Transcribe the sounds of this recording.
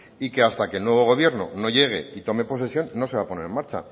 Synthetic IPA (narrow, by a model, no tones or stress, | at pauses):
ike̞ast̪akelnweβ̞o̞ɣ̞o̞βje̞ɾno̞̰no̞ʝe̞ɣ̞e̞̰it̪o̞me̞po̞s̬e̞sjo̞nːo̞se̞β̞apo̞ne̞ɾe̞nmaɾt͡ʃa̰